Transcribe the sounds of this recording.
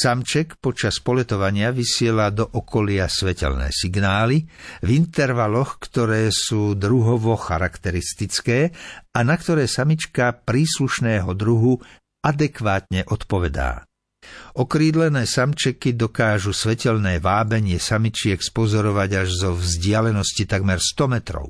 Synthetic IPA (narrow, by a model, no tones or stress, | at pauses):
samt͡ʃɛkpɔt͡ʃaspɔlɛt̪ɔʋaɲɪaʋisɪɛlad̪ɔʔɔkʰɔlɪasʋɛcɛ̰lnɛ̰ːsiɡnaːlivint̪ɛɾʋalɔxkt̪ɔɾɛːsuːd̪ɾuɦɔʋɔxaɾakt̪ɛɾist̪it͡skɛːanakt̪ɔɾɛːsamit͡ʃkapɾiːsluʃnɛːɦɔd̪ɾuɦu | ʔad̪ɛkʋaːt̪ɲɛʔɔt̪pɔʋɛd̪a̰ː | ɔkɾiːd̪lɛnɛːsamt͡ʃɛkid̪ɔkaːʒusʋɛcɛlnɛːʋaːbɛɲɪɛsamit͡ʃɪɛkspɔzɔɾɔʋaɟaʒzɔvzɟɪalɛnɔscit̪aɡmɛɾst̪ɔmɛt̪ɾɔ̰ʊ